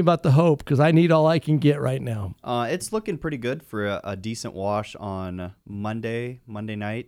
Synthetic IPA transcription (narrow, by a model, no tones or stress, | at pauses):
əbaʊt̪̚ðəɦoʊp̚kʰʌzaɪniɾɔlˠaɪkʰɨ̃nɡɛʔ̚ɹa̰ɪtⁿnaʊʔʌɪtslʊkɪ̃ŋpʰɹ̥ɪɾiɡʊd̥fə˞ə̰disə̰̃nʔwɑʃn̩mʌ̃ndeɪmʌ̃ndeɪnaɪt̚